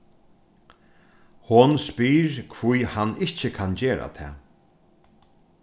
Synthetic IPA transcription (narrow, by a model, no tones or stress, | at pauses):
hʊnspiːɾkʰvujhanːɪht͡ɕəkʰand͡ʑeːɾa̰t̪ʰɛ̰ː